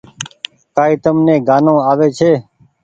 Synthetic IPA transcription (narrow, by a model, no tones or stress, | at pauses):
kaːiːt̪əmnẽːɡaːnõːaːʋeːt͡ʃʰeː